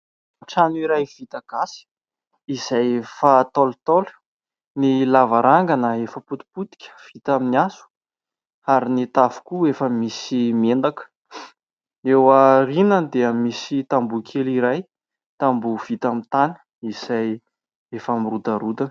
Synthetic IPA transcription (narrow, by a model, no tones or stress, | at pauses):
ʈ͡ʂanuiɾajv̥it̪aɡ̥asi̥ | iz̥ajefat̪olt̪olu̥ | nilavaɾʔaŋɡanəefəput̪u̥put̪i̥kʲə̥v̥it̪aminasu̥ | aɾinit̪avu̥kuefəmisimend̪akə̥ | ewərinənd̪eəmisit̪ambukʲʰeliɾaj | t̪ambuv̥it̪amint̪anə̥ | iz̥aj | efamirud̪əɾud̪ə